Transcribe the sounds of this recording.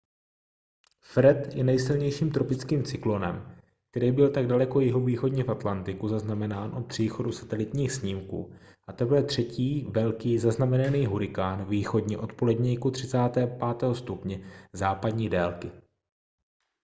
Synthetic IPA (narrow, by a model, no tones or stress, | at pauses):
fɾɛt̪jɛnɛjsɪlɲɛjʃiːmt̪ɾo̞pɪt͡skiːmt͡sɪklo̞nɛ̰m | k̚t̪ɛɾiːbɪlt̪aɡdalɛko̞jɪɦo̞viːxo̞dɲɛfʔat̪lant̪ɪkuzaznamɛnaːnʔopr̝̥iːxo̞dusḁt̪ɛlɪt̪ɲiːxsɲiːmkṵː | ʔat̪ɛplɛt̪r̝̥ɛciːvɛlkiːzaznamɛnaniːɦuɾɪkaːnviːxo̞dɲɛʔo̞t̪po̞lɛdɲɛjkut̪r̝̥ɪt͡saːt̪ɛːpaːt̪ɛːɦo̞st̪upɲɛzaːpadɲiːdɛːlkɪ